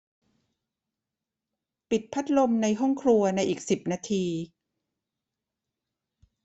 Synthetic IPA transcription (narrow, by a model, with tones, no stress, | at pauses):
pi˨˩t̪̚pʰa˦˥t̪̚lo˧mna˧jɦɔ˥˩ŋkʰɾu˧ɐna˧jʔiː˨˩k̚si˨˩p̚naː˧t̪ʰiː˧